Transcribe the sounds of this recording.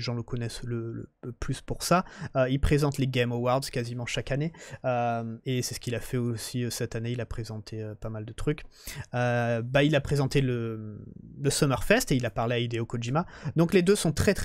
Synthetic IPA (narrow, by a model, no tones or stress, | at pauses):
ʒɑ̃ləkʰɔnɛslələ̰əplyspuʁsaøilpχezɑ̃t̪leɡʲɛmowaʁd̪z̥kazimɑ̃ʃakaneøesɛsə̥kʲilafɛosiøsɛt̪aneilapχezɑ̃t̪ʰeøpamald̪ət̪χyk | øbailapχezɑ̃t̪elə | ləsɔmœʁfɛst̪eilapaʁleaid̪eokɔʒimad̪ɔ̃kled̪øsɔ̃t̪χɛt̪χ